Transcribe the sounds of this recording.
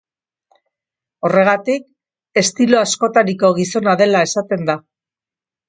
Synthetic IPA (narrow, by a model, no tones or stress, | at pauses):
o̞re̞ɣ̞at̪ik̚ | e̞st̪ilo̞asko̞t̪aɾiko̞ɣ̞iso̞naðe̞lae̞sat̪e̞nd̪a